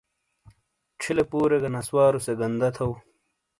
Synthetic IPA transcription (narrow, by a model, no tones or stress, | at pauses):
ʈ͡ʂʰilepuːɾeɡɐnɐswaːɾuseɡɐnd̪ɐt̪ʰɐw